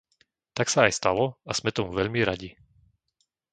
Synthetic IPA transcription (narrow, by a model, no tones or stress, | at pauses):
t̪aksaːjst̪alɔaz̥mɛt̪ɔmuʋɛʎmiɾaɟi